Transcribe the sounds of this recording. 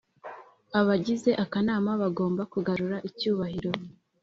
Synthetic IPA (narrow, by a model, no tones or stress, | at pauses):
aβaɟize̞ʔakanaːmaβaɡo̞ːmbakuɡaɾuɾaʔicuːβahiɾo̞